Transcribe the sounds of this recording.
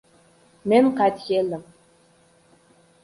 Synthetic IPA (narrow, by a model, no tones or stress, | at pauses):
menqat̪jelɘ̆m